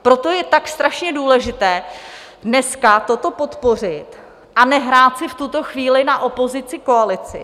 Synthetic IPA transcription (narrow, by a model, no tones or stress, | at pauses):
pɾo̞t̪o̞jɛt̪akst̪ɾaʃɲɛduːlɛʒɪt̪ɛː | dnɛskat̪o̞t̪o̞po̞t̪po̞r̝ɪt̪ | ʔanɛɦɾaːt̪sɪft̪ut̪o̞xviːlɪnaʔo̞po̞zɪt͡sɪko̞alɪt͡sɪ̰